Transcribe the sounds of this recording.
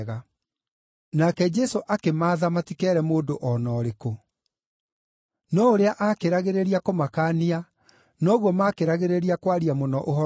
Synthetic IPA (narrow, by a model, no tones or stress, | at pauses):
ɣa | nakɛd͡ʒɛsoʔakemaːðamatikɛːɾɛmoːdoʔɔnɔːɾeko | nɔoɾeaʔakeɾaɣeɾeɾiakomakaːnia | nɔːɣwɔmakeɾaɣeɾeɾiakwaɾiamonɔʔoɦɔ